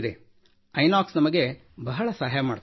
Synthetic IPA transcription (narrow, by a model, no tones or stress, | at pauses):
d̪e | ɐjnaːksnɐmɐɡe̞ | bɐɦɐɭɐsaːɦɐjamaːɽt̪